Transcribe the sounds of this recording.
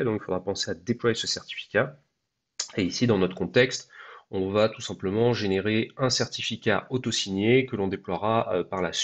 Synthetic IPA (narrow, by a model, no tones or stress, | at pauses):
d̪ɔ̃kilfod̪ʁapɑ̃sead̪eplwajesəsɛʁt̪i̥fi̥kʲa | eisid̪ɑ̃nɔt̪χəkɔ̃t̪ɛkst̪ɔ̃vat̪usɛ̃pləmɑ̃ʒeneʁeɛ̃sɛʁt̪ifikʲaʔot̪osiɲjekəlɔ̃d̪eplwaʁaøpaʁlas